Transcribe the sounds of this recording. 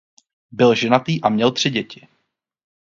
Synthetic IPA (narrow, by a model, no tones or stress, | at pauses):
bɪlʒɛnat̪iːʔamɲɛlt̪r̝̥ɪɟɛcɪ